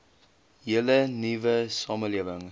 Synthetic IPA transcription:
ɦilənivəsɑːməliəvəŋ

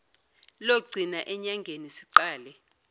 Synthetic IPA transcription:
loɡ͡ǀʱinaʔɛɲaŋɡʱenisiǀaːlɛ

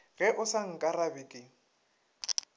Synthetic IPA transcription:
ɣɛʔʊsaŋ̩kʼarabɪkʼɪ

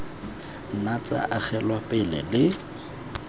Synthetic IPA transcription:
n̩nat͡sa̰ʔak͡xʰɛlwapʼɪlɛ̰lɪ

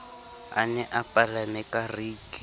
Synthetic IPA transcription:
a̰nɛʔapʼalamɛkʼariːt͡ɬʼi

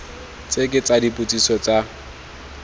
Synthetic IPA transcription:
t͡sekʼɪt͡sʼadipʼut͡sʼisɔt͡sa

